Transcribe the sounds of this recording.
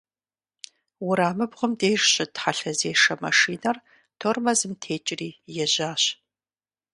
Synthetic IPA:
wʊɾaːmɨbʁʷʊmdeːʒɕʼɪtħaɬɐzeːʂɐmɐ̰ʂiːnɐr | tʰormɐzɨmtʰeːt͡ʃʼɪriːjɛʑaːɕ

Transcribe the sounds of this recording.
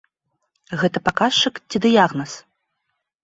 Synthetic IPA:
ɣɛt̪ɐpakaʂt͡ʂɨkt͡sʲid̪ɨjaɣnɐs

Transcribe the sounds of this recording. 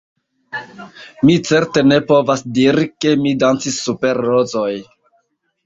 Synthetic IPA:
mit͡se̞ɾte̞ne̞po̞vasdiɾike̞midant͡sisːupe̞ɾːozoj

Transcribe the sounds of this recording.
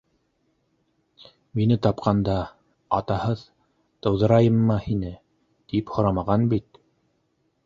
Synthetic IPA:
minɘt̪ɑpqʰɑnd̪ɑ | ɑt̪ɑhɤð | t̪ɤ̆wðɤ̆ɾɑjɤmːɤhinɘ | t̪iphŏɾɑmɑʁɑnbit̪

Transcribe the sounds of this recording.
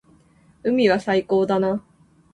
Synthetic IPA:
ɯ̟mʲiβasaiko̞ːd̪ana

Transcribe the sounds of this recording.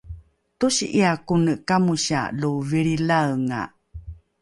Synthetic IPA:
tuɕiʔiakunəkamuɕa̰luviɾilaəŋa̰

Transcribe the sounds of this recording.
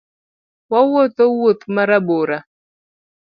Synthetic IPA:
wawot̪owot̪maɾaboɾa

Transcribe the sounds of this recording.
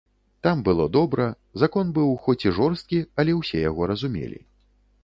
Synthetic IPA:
t̪ambɨlˠɔd̪ɔbɾɐ | zakɔnbɨwxɔt͡sʲiʐɔrst̪̚kʲiɐlʲɛwsʲɛjaɣɔɾɐzumʲɛ̰lʲḭ

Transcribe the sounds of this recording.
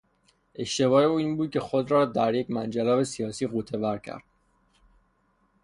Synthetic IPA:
ʔe̞ʃt̪e̞βɒːjeuːiːnbuːd̪̚cʰe̞xo̞d̪ɾɒːd̪æɾje̞cmænd͡ʒelɒːve̞sijɒːsiːɣuːt̪ʰe̞væɾcʰæ̰ɾd̪̥

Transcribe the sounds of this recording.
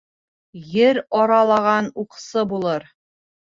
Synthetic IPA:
jɘɾɒɾɑlˠɑʁɑnuqsɤbulˠɤɾ

